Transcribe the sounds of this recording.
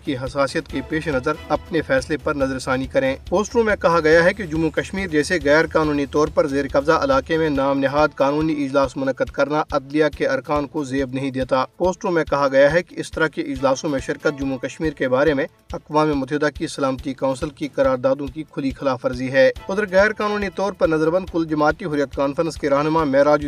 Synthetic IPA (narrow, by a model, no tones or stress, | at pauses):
kiɦɐsaːsijət̪kepeːʃenɐzəɾɐpnefɛːslepɐɾnɐzəɾsaːnikɐɾẽːpoːsʈɾũmẽkɐɦaɡɐjaɦɛked͡ʒʊmːukɐʃmiːɾd͡ʒɛːseɣɛːɾkaːnuːnit̪ɔːɾpɐɾzeːɾkɐbzaʔɐlaːkemẽnaːmnɪɦaːd̪kaːnuːniɪd͡ʒlaːsmʊnəkːəd̪kɐɾnaʔɐd̪lijakeɐɾkaːnkozeːbnɐɦĩd̪eːt̪aːpoːsʈɾũːmẽkɐɦaɡɐjaɦɛkeɪst̪ɐɾakeʔɪd͡ʒlaːsõmẽʃɪɾkət̪̚d͡ʒʊmːukɐʃmiːɾkebaːɾemẽ | ɐkʋaːmimʊt̪ɛɦd̪akisɐlaːmət̪ikãːnsɪlkikɐɾaːɾd̪aːd̪õkikʰʊlixɪlaːfɐɾziɦɛːʊd̪ɾɣɛːɾkaːnuːnit̪ɔːɾpɐɾnɐzəɾbə̃nd̪̚kʊld͡ʒɐmaːt̪iɦʊɾijət̪kaːnfəɾə̃nskeɾaːɦnʊmamɛːɾaːd͡ʒ